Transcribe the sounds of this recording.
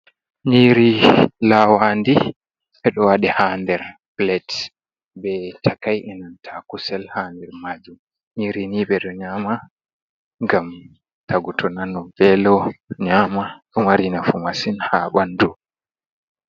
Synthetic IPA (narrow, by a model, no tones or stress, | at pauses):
ɲiɾilawandi | ɓɛɗɔwaɗɛhandɛɾblɛt | bɛtʰakajʔɛnantʰakusɛlhaːndɛɾmad͡ʒum | ɲiɾiniɓɛɗɔɲaːma | ŋɡam | taɡutʰɔnanɔvɛlɔɲaːmaɗɔmaɾinafumasinhaɓandu